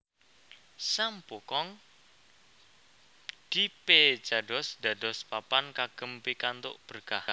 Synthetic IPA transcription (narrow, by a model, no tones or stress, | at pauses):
sambokɔŋ | d̪̥ipe̥d͡ʒ̥adɔsd̥adɔspapankaɡ̥əmpikant̪o̰ʔb̥ərɡ̥aha